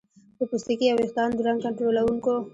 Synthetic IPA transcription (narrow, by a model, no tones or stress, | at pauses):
d̪̥əpʊst̪ikiawexd̪ɑnd̪uɾaŋkaɳʈɾolawuŋko